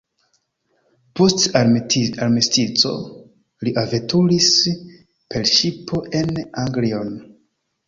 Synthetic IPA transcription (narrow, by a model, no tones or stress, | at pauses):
post | aɾmistit͡so̞̰ | liʔaventʰulis | pʰelʃipʰo̞ʔe̞naŋɡlion